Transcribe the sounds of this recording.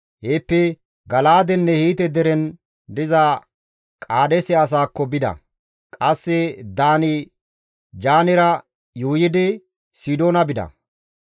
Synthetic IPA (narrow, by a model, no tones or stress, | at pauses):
heːpːɛ | ɡɐlaːd̪ɛnːɛhiːt̪ɛd̪ɛɾɛn | d̪ɪza | kʼaːd̪ɛsɛɐs̬aːkːɔbɪd̪ɐ̰ | kʼɐsːɛd̪aːnɪ | d͡ʒaːnɪɾɐ | juːjɪd̪ɪ | sid̪oːnɐbɪd̪ɐ̰